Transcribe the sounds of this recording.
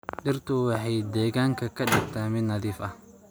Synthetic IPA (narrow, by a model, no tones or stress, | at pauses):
ɖɪrt̪ʰʊwɑħɑjd̪ɛːɣaːŋkʰɐkʰɐɖɪɡt̪ʰaːmɪd̪nɐðiːfɐh